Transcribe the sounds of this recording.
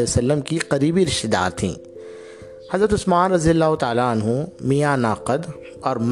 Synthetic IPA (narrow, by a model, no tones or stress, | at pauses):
ejsɐlːəmkiqɐɾiːbiɾɪʃt̪ɪd̪a̰ːɾt̪ʰḭ̃ː | hɐzɾət̪ʊsmaːnɾɐzijəlːaːɦʊt̪aːlaɐnɦũmijanaːqəd̪ | ɔːɾm